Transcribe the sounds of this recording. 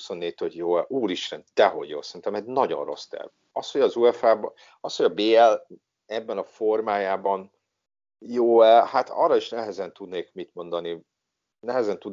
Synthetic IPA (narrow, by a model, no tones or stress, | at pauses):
uso̞nːeːt̪oɟjoːɛʔuːliʃrɛnd̪̥ɛɦo̞̰ɟjo̰ːlsɛɾint̪ɛmɛɟnɒɟo̞̰nro̞̰st̪ɛ̰rv | ɒsho̞ɟɒzuɛfaːb | ɒsho̞ɟɒbeːɛl | ɛbːɛnɒfo̞rmaːjaːbɒn | joːɛlhat̪ɒ̰ːrːɒiʃnɛɦɛzɛnt̪ud̪neːkmit̪mo̞nd̪ɒni | nɛɦɛzɛnt̪ud̪